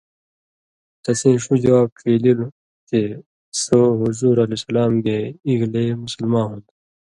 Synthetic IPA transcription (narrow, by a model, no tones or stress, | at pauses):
t̪ɐsĩːɕud͡ʑɐwaːbfʰeːlil | t̪e | soɦuzuːɾɐlesɐlaːmɡeiɡleːmusəlmãːɦũnd̪